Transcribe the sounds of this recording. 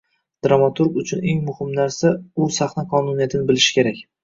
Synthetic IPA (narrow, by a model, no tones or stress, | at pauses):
d̪̥ɾamat̪ʰuɾɡʊt͡ʃʰʊne̞ŋmʊhɪmnaɾsaʊsaχnaqʰɒnunijat̪ʰɪnɪbɪlɪʃɪ̥kʲʰe̞ɾakʲ